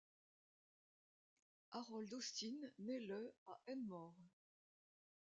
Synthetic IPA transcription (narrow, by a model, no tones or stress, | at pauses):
aʁɔld̪ost̪inːelœaʔɛnmɔʁ